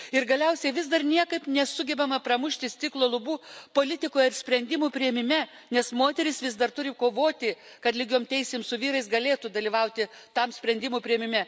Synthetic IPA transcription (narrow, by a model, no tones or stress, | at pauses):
ɪɾɡɐlʲɛʊsʲɛɪʋʲɪsd̪ɐrnʲiɛkɐɪpnʲɛsʊɡʲɛbʲɛmɐprɐmʊʃʲt̪ʲɪst̪ʲɪklˠoːlˠʊbuːpoːlʲɪt̪ʲɪkoːjɛɪɾsʲpʲɾʲɛnʲd̪ʲɪmuːpʲɾʲɪjɛmʲɪmʲɛ | nʲɛsmoːt̪ʲɛɾʲɪsʋʲɪsd̪ɐrt̪ʊɾʲɪkoːʋoːt̪ʲɪ | kɐt̪lʲɪɡʲoːmt̪ʲɛɪsʲeːmsʊʋʲiːɾɐɪsɡɐlʲeːt̪ud̪ɐlʲiːʋɐʊt̪ʲɪ | t̪ɐmsʲpʲɾʲɛnʲd̪ʲɪmuːpʲɾʲɪɛmʲɪmʲɛ